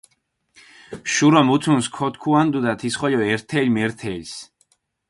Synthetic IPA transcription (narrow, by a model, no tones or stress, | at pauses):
ʃuɾɔmut̪sʰunskʰɔt̪kʰuand̪ud̪at̪ʰisχɔjɔɛɾt̪ʰɛlmɛɾt̪ʰɛlʲs